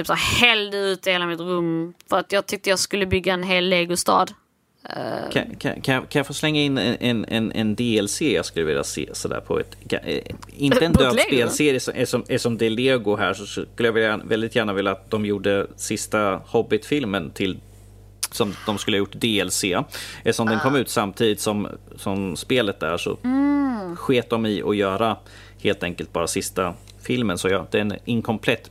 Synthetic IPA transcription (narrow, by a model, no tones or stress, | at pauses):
yːpsæːɾhɛld̪əʉ̟ːt̪əheːlamɪt̪ɾɵmːfœɾat̪jɑːɡ̚t̪ʰʏk̚t̪əjɑskɵlːəbʏɡːaɛnɦeːlːeːɡʊst̪ɑ̰ːd̪̰ | kʰa̰kʰa̰kʰanjɑkʰanjɑfɔslɛŋːaɪnːɛʔɛnɛ̰nɛ̰nd̪eːɛlseːɾjɑ̰skɵlːəvɪ̰lja̰sḛːsɔd̪æ̰ːɾpʰɔ̰ɛ̰t̪kʰa̰ɪnəɛnd̪øːspeːlseːɾjəsɔʔɛʂɔmɛʂɔmd̪ɛleːɡʊɦæ̰ːʂɔskɵlːəjavɪljavɛld̪ɪt̪jæːɳavɪlːat̪̚d̪ɔmjuːɖəsɪst̪ahɔbːɪt̪fɪlmənt̪ʰɪl | sɔmd̪ɔmskɵlːhajʊʈːd̪eːɛlseːɛlːəʂɔmd̪ɛnkʰɔmːʉ̟ːt̪samːt̪ʰiːd̪ɪt̪sɔmsɔmspeːlət̪̚d̪æ̰ʂɔ̰ | ɧeːt̪̚d̪ɔmɪʔɔjœːɾa | heːlt̪ʰɛŋkəlt̪̚bɑːɾasɪst̪a | fɪlmənsɔjɑːd̪̥ɛɛnɪŋkʰɔmpʰlɛt̪ː